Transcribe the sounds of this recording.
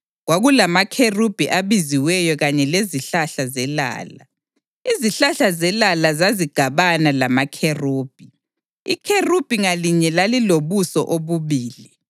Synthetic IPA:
ɣwaɣulamakʰerub̥ʱiʔaβiziwɛjɔɣaɲɛleziɬaɬazɛla̰ːla̰ | iziɬaɬazɛlalazaziɡ̥ʱaβanalamakʰeruːb̥ʱi | ḭkʰerub̥ʱiŋaliɲɛlaliloβusɔ̰ʔoβuβiːli

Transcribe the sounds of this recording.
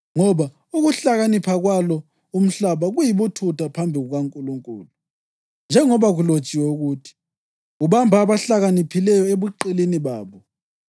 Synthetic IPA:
ŋɔβa | uɣuɬaɣanipʰaɣwalɔ | um̩ɬaβaɣujiβutʰutʰapʰambʱiɣuɣaŋkʼuluŋkʼṵːlu | nd͡ʒʱɛŋɔβaɣulod̥t͡ʃʼiwɛuɣutʰi̥ | uβambʱaːβaɬaɣanipʰilɛjɔeβuǃiliniβaːβɔ

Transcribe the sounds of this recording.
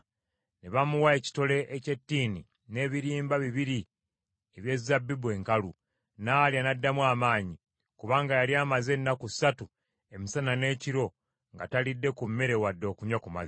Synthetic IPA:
neβamuwae̞ci̥to̞le̞ʔːce̞tːiːni | ne̞ːβiɾiːmbaβiβiɾi | eβje̞zabːibue̞ːŋkalu | naljanadːamwaːmaːɲi | kuβaːŋɡajaljaːmaze̞nːakusatu | e̞misanane̞ːciɾo̞ | ŋɡatalidːe̞kumːe̞ɾe̞wadːo̞ːkuɲwakuma̰zi

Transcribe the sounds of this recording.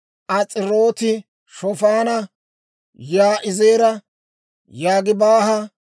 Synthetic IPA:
ʔɐt͡sʼɪɾo̞ːt̪ɪ | ʃɔfaːnɐ | jaːʔɪze̞ːɾɐ | jaːɡɪbaːhɐ

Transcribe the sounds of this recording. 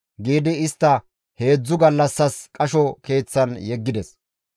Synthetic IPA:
ɡiːd̪ɪɪst̪ːɐ | he̞ːd͡zːʊɡɐlːɐsːɐskʼɐʃɔke̞ːt͡sːɐnjɛɡːɪd̪ɛs

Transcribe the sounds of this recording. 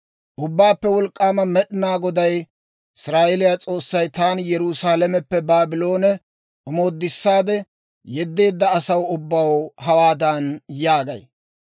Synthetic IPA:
ʔʊbːaːpːɛwɔlkʼːaːmɐmɛɗɪnaːɡɔd̪ɐj | ɪsɾaːʔelɪjat͡sʼo̞ːsːɐjt̪aːnjɛɾusaːlɛmɛpːɛbaːbɪlo̞ːnɛ | ʔʊmo̞ːd̪ːɪsːaːd̪ɛ | jɛd̪ːe̞ːd̪ːɐːsɐwʊbːɐwhɐwaːd̪ɐnjaːɡɐ̰j

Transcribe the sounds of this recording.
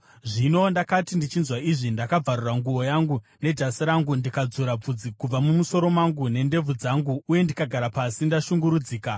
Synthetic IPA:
ʐino̞ːndakatindit͡ʃinzwaiʐindakab͡varuraŋɡuo̞jaŋɡune̞d͡ʒasiɾaŋɡundikad͡zuɾab͡vud͡zikub͡vamumuso̞ɾo̞maŋɡune̞nde̞b͡vud͡zaŋɡuːje̞ndikaɡʱaɾapasindaʃuŋɡuɾud͡ziːka

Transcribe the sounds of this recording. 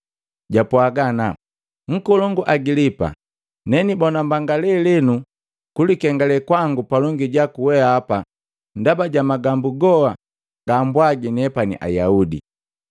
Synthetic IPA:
ɟapwaɡana | ŋ̩kɔlɔŋɡuʔaɡilipa̰ | nɛnibɔnambaŋɡalɛlɛnu | kulikɛŋɡalɛkwaŋɡupalɔŋɡiɟakuwɛaːpa | ndabaɟamaɡambuɡɔa | ɡ̥ambwaɡinɛpanḭʔa̰jaudḭ

